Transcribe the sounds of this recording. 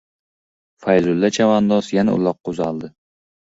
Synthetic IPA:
fajzʊlːat͡ʃʰavand̪ɒsjanaʊ̰lˠɒqːʊzalˠd̪ɪ

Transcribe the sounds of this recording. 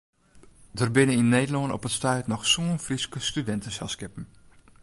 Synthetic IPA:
dərbɪnəinːeːdəlonɔ̰pətstœɥtnɔxsuənfriskəstydɛntəsɛlˠskɪpən̩

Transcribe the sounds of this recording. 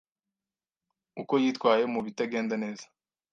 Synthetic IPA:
uko̞jiːtkwaːje̞muβitaɡe̞ːndane̞ːzḁ

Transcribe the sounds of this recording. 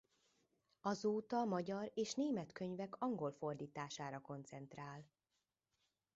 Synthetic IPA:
ɒzoːt̪ɒmɒɟɒɾeːʃneːmɛt̪kø̞ɲvɛkʰɒŋɡo̞lfo̞rd̪iːt̪aːʃaːɾɒko̞nt̪sɛnt̪raːl

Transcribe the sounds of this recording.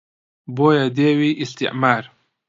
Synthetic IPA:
boːjad̪eːwiʔist̪ḭʕmaːɾ

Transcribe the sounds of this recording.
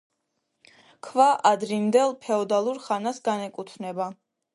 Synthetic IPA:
kʰvaʔad̪ɾimd̪ɛlˠpʰɛɔd̪alˠuɾχanasɡanɛkʼut̪ʰnɛba

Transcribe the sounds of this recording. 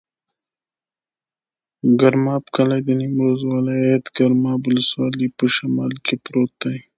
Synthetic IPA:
ɡaɾmɑːpkalajd̪ənimɾozwalɑat̪ɡaɾmɑbʊləswɑːlipəʃamɑ̰ːlkʰepɾot̪aj

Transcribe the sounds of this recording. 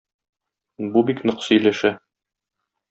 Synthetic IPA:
bubiknŏqsɵ̆jlæʃæ

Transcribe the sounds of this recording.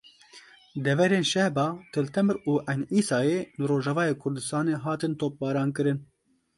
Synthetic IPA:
d̪ɛvɛɾeːnʃɛhbɑːt̪ʰɨlt̪ʰɛmɨɾuːʔɛjniːsɑːjeːnɨɾoːʒɑvɑːjeːkʰʊɾd̪ɨst̪ɑːneːɦɑːt̪ɨnt̪oːp̚bɑːɾɑːnkɨɾɨn

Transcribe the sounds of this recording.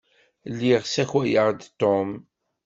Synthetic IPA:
lːiʁsæçwæjəʁd̪t̪ːom

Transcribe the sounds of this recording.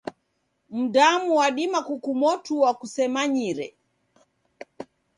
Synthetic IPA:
m̩damuwaɗimakukumɔtuwakusɛmaɲiɾɛ̰

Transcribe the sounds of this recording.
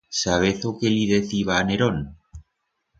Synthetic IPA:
saβ̞eθokeliðeθiβaːneɾon

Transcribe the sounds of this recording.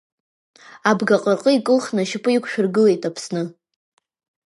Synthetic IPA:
abɡaqʼərqʼəikʼɨlχnɨʃɪpʼɨikʷʰʃᶣʊrɡɨle̞jtʼapʰsnɨ

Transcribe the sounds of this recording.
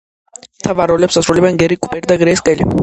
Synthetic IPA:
t̪ʰavaɾɔlɛpsasɾulɛbɛnɡɛɾikʼupʼɛɾd̪aɡɾɛskʼɛli

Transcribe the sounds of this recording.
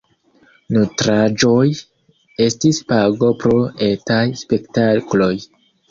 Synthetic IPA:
nutɾad͡ʒo̞j | e̞stispaɡo̞pɾo̞e̞tajspe̞ktaklo̞j

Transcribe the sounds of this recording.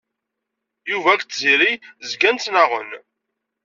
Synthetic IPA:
juvækt̪ziɾizɡænt͡s̪ːnaʁə̰n

